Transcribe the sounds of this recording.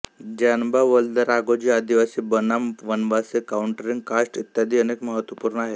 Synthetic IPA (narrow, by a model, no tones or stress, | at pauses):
d͡ʑanbaʋəld̪əɾaɡod͡ʑiːad̪iʋasiːbənamʋənʋasekauɳʈɾiŋɡkaʂʈit̪jad̪iːənekməɦət̪ʋəpuɾɳəaɦe